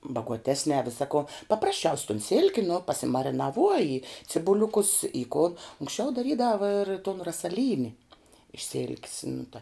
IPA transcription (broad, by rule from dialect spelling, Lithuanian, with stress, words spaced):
bɐɡuɔˈtʲæːsʲnʲɛː ˈʋʲɪsɐ koː pɐprɐsʲˈt͡ʃʲɛʊsʲ toːn ˈsʲɪlʲkʲɪ nʊ pɐsʲɪmɐrʲɪnɐˈʋuɔjɪ t͡sʲɪbʊˈlʲʊkʊs ɪ kʊ ʊŋksʲˈt͡ʃʲɛʊ dɐˈrʲiːdɐʋɐ ɪr toːn rɐsɐˈlʲiːnʲɪ ɪʃ sʲɪlʲkʲs nʊ tɐ